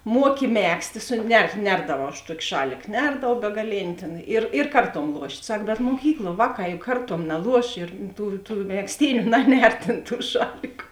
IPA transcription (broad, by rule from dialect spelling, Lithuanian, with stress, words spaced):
ˈmuɔkʲɪ ˈmʲæːksʲtʲeː ˈsʊ nʲɛ ˈnʲɛrdɐʋɐʊ ɐʃ ˈtuɔkʲɪ ˈʃɑːlʲɪk ˈnʲɛrdɐʋɐʊ bʲɛɡɐˈlʲeːnʲɪ tʲeːn ˈɪr ɪr ˈkɐrˌtuɔm ˈlˠuɔʃʲtʲ ˈsɐk bʲɛt muɔˈkʲiːklˠuɔ ˈʋɑːˌkɑː jʊk ˈkɐrˌtuɔm nɐˈlˠuɔʃ ɪr ˈtuː tuː mʲɛkˈsʲtʲiːnʲʊ ˈnɑːˌnʲɛr ˈtʲeːn ˈtuː ˈʃɑːlʲɪkʊ